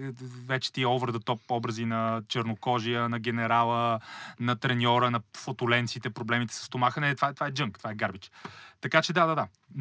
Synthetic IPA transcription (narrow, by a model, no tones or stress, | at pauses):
vɛt͡ʃɛ̥t̪iɛɔvɾd̪ət̪ɔp̚ɔbɾəzinɐt͡ʃɛɾnokɔʒijənɐɡʲɛnɛɾalˠənɐt̪ɾɛnʲɔɾənɐfot̪ʊlɛnt̪sit̪ɛpɾoblɛmit̪ɛ̥sə̥st̪omaxənɛt̪vaɛt̪ovaɛd͡ʒɤŋkt̪ovaɛɡaɾbit͡ʃt̪ɐkat͡ʃɛd̪ad̪ad̪a